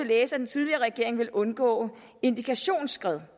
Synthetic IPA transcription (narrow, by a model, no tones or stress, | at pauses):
e̝leːsəæd̥ent͡sʰið̞ˠliɐːʁɛɡ̥e̝ɐe̝ŋʋe̝lʔɔ̽nɡ̥ɔ̰̽ː | e̝nd̥ikʰæɕo̝̰ːnsɡ̥ʁɛð̞ˠ